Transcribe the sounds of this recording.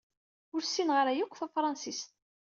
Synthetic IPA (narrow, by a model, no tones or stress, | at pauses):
ʊɾsinʁəɾæjukʷːfæfɾˤɑnsist̪̚